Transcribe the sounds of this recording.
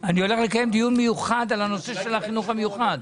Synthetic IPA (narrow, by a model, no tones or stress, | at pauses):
anio̞le̞χlikaje̞md̪ijunmejuχad̪alano̞se̞ʃe̞laχinuχamejuχad̪